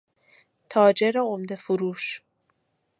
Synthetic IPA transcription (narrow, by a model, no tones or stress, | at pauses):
t̪ʰɒːd͡ʒe̞ɾeomd̪e̞fuɾuːʃ